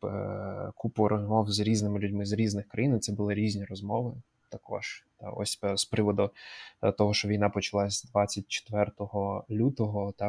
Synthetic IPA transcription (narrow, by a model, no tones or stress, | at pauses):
kupʊɾɔzmɔwzɾʲiznɪmɪlʲʊdʲmɪzɾʲiznɪxkɾɐjint̪sɛbʊlˠɪɾʲizʲnʲiɾɔzmɔʋɪ | t̪ɐkɔ̰ʒ̥t̪ɑ̰ɔ̰sʲspɾɪʋɔd̪ʊt̪ɔɦɔʃt͡ʃɔʋʲijnɑpɔt͡ʃɐlˠɑsʲd̪ʋɑt͡sʲːɐt̚ʲt͡ʃe̥t̪ʋɛrt̪ɔɦɔlʲut̪ɔɦɔt̪ɑ